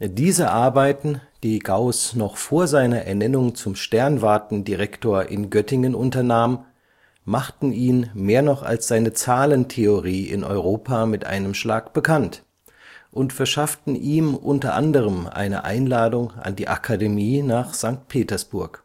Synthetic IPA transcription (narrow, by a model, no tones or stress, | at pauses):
d̥iːzəʔaɐbaɪtn̩ | d̥iːɡaʊsnɔχfoːɐzaɪnɐʔɛ̰ɐnɛnʊŋt͡sʊmʃtɛɐnvaɐtn̩diʁɛktoːɐʔɪ̰nɡœtɪŋənʔʊntɐnaːmən | maχtn̩iːnmeːɐnɔχa̰lsz̥aɪnət͡saːləntʰeoʁiːɪ̰nʔɔ̰ʏʁ̞oːpʰamɪtʔa̰ɪnəmʃla̰ːkb̥əkʰant | ʔʊntfɛɐʃaftn̩ʔiːmʔʊntɐ̰ʔa̰ndəʁ̞əmʔa̰ɪnə̰ʔa̰ɪnlaːdʊŋʔa̰ndiːʔa̰kʰademiːnaːχz̥aŋk̚t̚pʰeːtɐsb̥ʊɐk